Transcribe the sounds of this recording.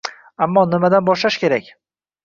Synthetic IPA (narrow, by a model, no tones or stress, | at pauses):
amːɒnɪmad̪anbɒʃlaʃkʲe̞ɾakʲ